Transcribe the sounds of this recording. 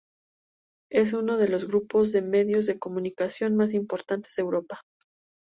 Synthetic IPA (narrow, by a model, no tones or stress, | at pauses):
e̞s̬uno̞ð̞e̞lo̞zɣɾupo̞zðe̞me̞ðjo̞zðe̞ko̞mũnikasjo̞nmas̬impo̞ɾt̪ant̪ez̥ðewɾo̞pḁ